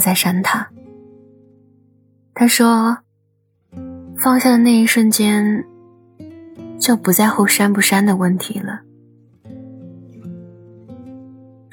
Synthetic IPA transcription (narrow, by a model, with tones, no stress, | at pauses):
t͡sa˥˩ɪʂa˥nt̪ʰa˥ | t̪ʰa˥ʂwɔ˥ | fɑ˥˧ŋɕjɑ˥˧d̪ə˩na˥˧ɪi˥˧ʂwə˥˩nt͡ɕjɛ˥n | t͡ɕjo˥˩ʊpu˨˧˥t͡sa˥˧ɪxo˥˩ʊʂa˥npu˥˩ʂa˥nd̪ə˨wə˥˩nt̪ʰḭ˧˥lə˧